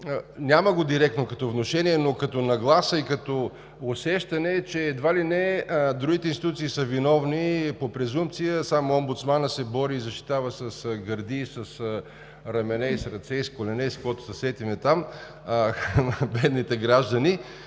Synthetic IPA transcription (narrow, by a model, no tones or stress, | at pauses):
nʲaməɡod̪iɾɛk̚t̪nokɐt̪ɔvnoʃɛniɛnokɐt̪onɐɡlˠasəikɐt̪ɔ | osɛʃt̪ɐnɛt͡ʃɛːd̪valinɛd̪ɾuɡʲit̪ɛinst̪it̪ut̪siːsəvinɔvnipopɾɛzump̚t̪sijəsamoombut̪smanəsɛbɔɾiːzɐʃt̪i̥t̪avəsɐsɡɐɾd̪iːsɐsə | ɾɐmɛnɛisɾɐt̪sɛiskolɛnɛskoɛt̪ʊ̥sɐsɛt̪imɛt̪am | bɛd̪nit̪ɛɡɾaʒd̪ɐni